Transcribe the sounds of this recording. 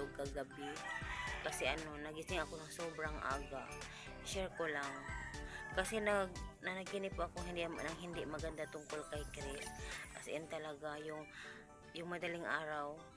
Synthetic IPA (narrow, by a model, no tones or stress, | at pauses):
okaɡɐbɪ | kɐsɛʔɐno̞nɐɡɪsɪŋɐkonɐŋsoːbɾaŋʔa̰ːɡaʔ | ʃɛɹkolaŋ | kɐsɛnaɡnɐnɐɡ̚kɪnɪpoʔɐkoŋhɪnd̪naŋɦɪnd̪ɪʔmɐɡɐnd̪at̪ʊŋkolkajkɾɛʔʔɐ̰sʔɛnt̪ɐlɐɡajʊŋ | jʊŋmɐd̪alɪŋʔaːɾaw